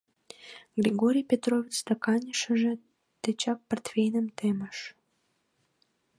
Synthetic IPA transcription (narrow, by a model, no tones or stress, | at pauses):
ɡrʲiɣoɾʲijpʲet̪rovʲit͡sst̪ɑkɑnʲəʃə̆ʒĕ | t̪et͡ɕɑk̚pərt̪fʲejnəmt̪eməʃ